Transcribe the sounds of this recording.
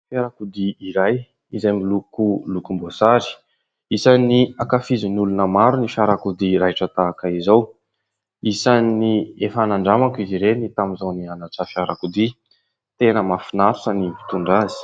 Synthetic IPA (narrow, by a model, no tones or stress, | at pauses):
fjaɾakud̪iiɾaj | izajmilukulukumbosaɾi̥ | isaniakafizinulunəmaɾunifaɾakud̪iɾaʈ͡ʂət̪aːkaizaw | isaniefanaɳɖ͡ʐamakiziɾenit̪amizawnianaʈ͡ʂəfjaɾakud̪i | t̪enəmafinaɾuʈ͡ʂənivi̥t̪uɳɖ͡ʐazi̥